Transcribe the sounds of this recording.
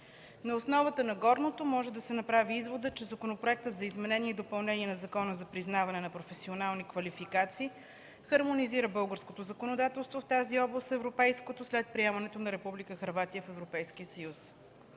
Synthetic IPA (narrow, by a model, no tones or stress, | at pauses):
nɐosnɔvət̪ənɐɡɔɾnot̪omɔʒɛd̪ɐsɛnɐpɾaviizvod̪ət͡ʃɛzɐkonopɾoɛk̚t̪ət̪zɐizmɛnɛniɛd̪opɐlˠnɛniɛnɐzɐkɔnəzɐpɾiznavɐnɛnɐpɾofɛsionalˠnikvɐlifikat̪siː | xɐɾmoniziɾəbɤlˠɡəɾskot̪ozəkonod̪at̪ɛlˠst̪voft̪aziɔblˠəst̪ɛvɾopɛjskot̪oslɛt̪̚pɾiɛmɐnɛt̪onɐɾɛpublikəxɐɾvat̪ijəfɛvɾopɛjskiəsəjus